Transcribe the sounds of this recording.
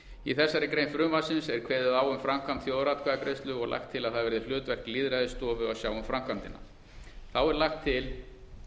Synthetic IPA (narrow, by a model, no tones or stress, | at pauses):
iθɛsːaɾɪkɾeːjnfɾʏːmvasɪnsɛɾ̥kʰvɛːðʏðaːwʏmfɾam̥kʰamt̪θjoːwðɾat̪kʰaðakɾejst̪lʏɔɣlʔa̰xt̪ʰːɪlaðθaðvɛɾðɪl̥ʏːt̪vɛr̥kliːðɾaðɪst̪ɔːvʏawsjaːwʏmfɾamkʰamt̪ɪnːa̰ | θawɛɾlaxt̪ʰːɪl